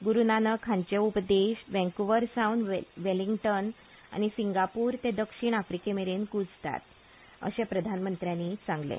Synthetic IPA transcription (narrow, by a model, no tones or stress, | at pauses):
ɡuɾunanəkʰãɲt͡ɕeupd̪eɕʋɛ̃ŋkuʋəɾsawnʋeliŋɡʈən | a̰ñisiŋɡapuːɾt̪ed̪əkʂiɳafɾikemeɾenkud͡zt̪a̰t̪ | ə̰ɕẽpɾəd̪ʱanmənt̪ɾjãnit͡sãŋɡlḛ̃